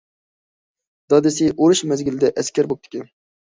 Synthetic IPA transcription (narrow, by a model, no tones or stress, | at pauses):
d̪̥ɑd̪ɪsɪʔoɾɨʃmæzɡʲɪlɪd̪ɛʔæskʲæɾbop̚t̪ʰɪ̥kʲʰɛn